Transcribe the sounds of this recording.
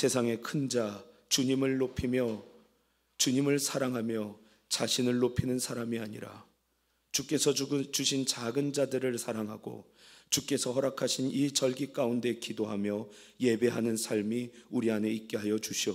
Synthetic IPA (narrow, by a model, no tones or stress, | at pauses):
sʰe̞sʰaŋe̞kʰɯnd͡ʑat͡ɕuɲimɯɭːopʰimjʌ | t͡ɕuɲimɯɭsʰaɾaŋɦamjʌ | t͡ɕaɕʰinɯɭːopʰinɯnsʰaɾamiaɲḭɾa̰ | t͡ɕuk͈e̞sʰʌt͡ɕuɕʰint͡ɕaɡɯnd͡ʑadɯɾɯɭsʰaɾaŋɦaɡo̰ | t͡ɕuk͈e̞sʰʌɦʌɾakʰaɕʰinit͡ɕʌɭɡik͈aunde̞kidoɦamjʌ | je̞be̞ɦanɯnsʰaɭmiuɾiane̞ik̚k͈e̞ɦajʌd͡ʑuɕʰiʌ